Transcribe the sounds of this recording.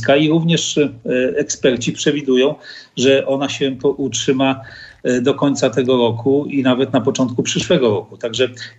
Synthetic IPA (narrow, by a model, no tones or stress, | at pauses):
kaiɾuvɲɛʂ | ɛkspɛɾt͡ɕipʂɛvʲid̪ujɔ̃w̃ʐɛʔɔnaɕɛpɔʔutʂɘmad̪ɔkɔɲʲt̪sat̪ɛɡɔɾɔkʰuinavɛt̪napɔt͡ʂɔnt̪̚kupʂɘʂwɛɡɔɾɔkut̪aɡʐɛ